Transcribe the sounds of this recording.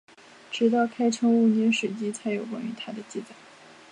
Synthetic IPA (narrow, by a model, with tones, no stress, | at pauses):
ʈ͡ʂɻ̩˧˥t̪̬ɑ˥˩ʊkʰa˥ɪʈ͡ʂʰɤ˥ŋu˥˩nɛ˥nʂɻ̩˨˩t͡ɕi˥t͡sʰa˧˥ɪjo˨˩ʊkwa̰˥ny˧˥t̪ʰa˥d̪ə˨t͡ɕi˥˩t͡sa˨˩˦ɪ